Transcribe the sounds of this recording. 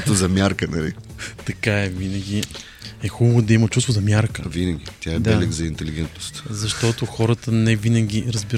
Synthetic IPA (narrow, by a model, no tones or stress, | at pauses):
t̪ozɐmʲjaɾkənɐlit̪ɐkaɛvinəɡʲi | ɛxubəvod̪ɐimət̪t͡ʃust̪voʊzɐmjaɾkəvinəɡʲit̪ʲjaɛbd̪ɛlɛɡzɐint̪ɛliɡʲɛnt̪nost̪zɐʃt̪ɔt̪oxɔɾət̪ənɛvinɐɡʲiɾɐzbiɾ